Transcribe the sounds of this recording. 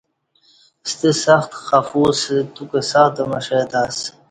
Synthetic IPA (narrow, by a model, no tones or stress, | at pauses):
st̪isɐxt̪xɐfuːset̪ukesɐxd̪ɐmɐʂeːt̪aːs